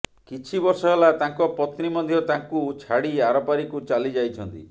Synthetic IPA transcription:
kit͡ʃʰibɔɾsɔɦelat̪aŋkɔpɔt̪nimɔd̪ʱjɔt̪aŋkut͡ʃʰaɽiaɾɔpaɾikut͡ʃalid͡ʒajt͡ʃʰɔnt̪ḭ

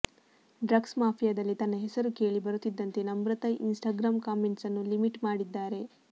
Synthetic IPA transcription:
ɖɾɐɡsmaːpʰijɐd̪ɐlːit̪ɐnːɐɦesɐɾuke̞ːɭibɐɾut̪ːid̪ːɐnt̪e̞nɐmbɾɐt̪ɐjʔinsʈaːɡɾaːmkaːme̞ɳʈsɐnːulimiʈmaːɽid̪ːaːɾe̞

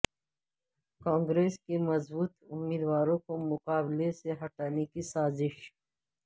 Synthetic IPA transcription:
kãːŋɡɾeːskemɐzbuːt̪ʊmːiːd̪waːɾõkomʊqaːbleseɦɐʈaːnekisaːzɪʃ

